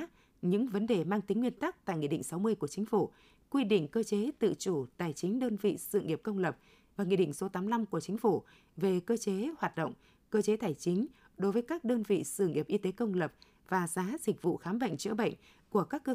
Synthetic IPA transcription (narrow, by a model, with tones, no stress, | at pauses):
ɲɨ̰˧˥ŋvə˨˦nɗe˨˩maː˧ŋt̪ï˨˦ŋ̟ːwi˧ənt̪a˦˥k̚t̪a̰ː˧˨jŋḭ˧˨ɗḭ˧˨ŋsa˨˦wmɨ˧əjku˧˩ət͡ɕi˨˦ŋ̟fu˧˩ | kwi˧ɗḭ̈˧˨ŋ̟kəː˧t͡ɕe˨˦t̪ɨ̰˧˨t͡ɕu˧˩t̪aː˧˩jt͡ɕï˨˦ŋ̟ɗəː˧nvḭ˧˨sɨ̰˧˨ŋi˨˩əp̚kə˧wŋ͡mlə˨˩p̚ | vaː˨˩ŋḭ˧˨ɗḭ̈˧˨ŋ̟so˨˦t̪aː˨˦mla˧mku˧˩ət͡ɕï˨˦ŋ̟fu˧˩ | ve˨˩kəː˧t͡ɕe˨˦hwaː˨˩t̚ɗə̰˧˨wŋ͡m | kəː˧t͡ɕe˨˦t̪ʰaː˧˩jt͡ɕï˨˦ŋ̟ | ɗo˨˦jvəː˨˦jkaː˦˥k̚ɗəː˧nvḭ˧˨sɨ̰˧˩˨ŋḭ˨˩əp̚ʔi˧t̪e˨˦kə˧wŋ͡mlə˨˩p̚ | vaː˨˩zaː˨˦zï˨˩k̟̚vṵ˧˨xaː˨˦mɓə̰˧˨jŋ̟t͡ɕɨ̰˧˥əɓə̰˧˨jŋ̟ | ku˧˩əkaː˦˥kːə˧